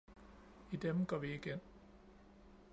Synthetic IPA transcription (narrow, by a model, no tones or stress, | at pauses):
id̥emɡ̥ɒʋiiɡ̥en